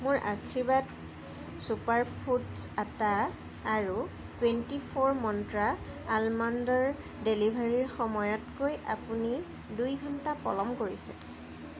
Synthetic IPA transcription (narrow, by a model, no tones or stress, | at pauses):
mʊɹʔa̰kʰibat | supaɹpʰutsataː | ɹu | twentipʰɔɹmɔntɹaː | lmandɔɹ | delibʱaɹiɹxɔmɔjɔtkojʔa̰puni | dujɡʱɔntapɔ̰lɔmkoɹisɛ̰